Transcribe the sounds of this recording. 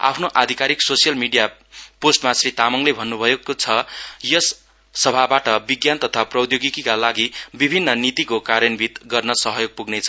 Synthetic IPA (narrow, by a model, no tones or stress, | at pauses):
a̰pʰnoʔad̪ʱikaɾiksosijʌlmiɖija | posʈmasrit̪amʌŋlebʱʌnːubʱʌjokot͡sʰʌjʌsː | ʌbʱabaʈʌbiɡjant̪ʌt̪ʰaprʌwd̪joɡikikalaɡibibʱinːʌnit̪ikokaɾjʌnbʱit̪ɡʌrnʌsʌɦʌjoɡ̚puɡnet͡sʰʌ